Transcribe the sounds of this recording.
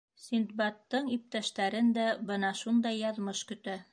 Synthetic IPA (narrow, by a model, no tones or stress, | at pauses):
sʲind̪̚bɑt̪ːɤɴip̚t̪æʃt̪æɾɘnd̪æbɤnɑʃund̪ɑjːɑðmɤʃkɵ̆t̪æ